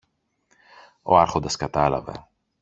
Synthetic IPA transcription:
o̰ɐɾxond̪ɐskɐt̪ɐlɐ̰vḛ

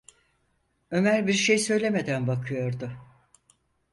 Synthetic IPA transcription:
ø̞mæɾbiɾʃe̞jsø̞jlʲe̞me̞d̪ænbakʰɯjo̞ɾd̪ʊ

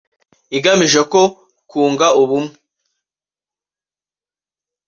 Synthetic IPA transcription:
iɡamiʒeko̞ | kʰuːŋɡauβumŋe

